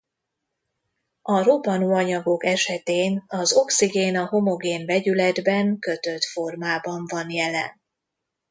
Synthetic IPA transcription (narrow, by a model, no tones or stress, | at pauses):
ɒrobɒnuːɒɲɒɡo̞kɛʃɛt̪eːnɒzo̞ksiɡeːnɒɦo̞mo̞ɡeːnbɛɟylɛd̪bɛŋkø̞t̪øt̪fo̞rmaːbɒɱvɒnjɛlɛ̰n